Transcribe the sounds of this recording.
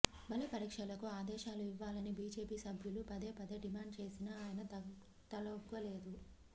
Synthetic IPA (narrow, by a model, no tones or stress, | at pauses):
bɐlɐpɐɾiːkʂɐlɐkuaːd̪ɛːʃaːluiʋːaːlɐnibiːd͡ʒe̞ːpiːsɐbʱjulupɐd̪eːpɐd̪eɖimaːɳɖ̚t͡ʃe̞ːsinɐaːjɐnɐ | t̪ɐlɐkːʋɐle̞ːd̪u